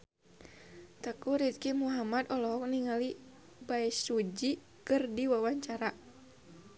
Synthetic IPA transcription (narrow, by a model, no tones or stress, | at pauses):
t̪əkuɾit̪̚kimuɦamad̪ɔlɔɦɔk̚niŋali | baisud͡ʒi | kɨrdiwawaɲt͡ʃaɾa